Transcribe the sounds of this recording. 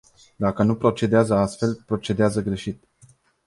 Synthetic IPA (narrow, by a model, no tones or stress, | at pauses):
d̪akənupɾo̞t͡ʃe̞d̪eazəast̪fe̞lpɾo̞t͡ʃe̞d̪eazəɡɾe̞ʃit̪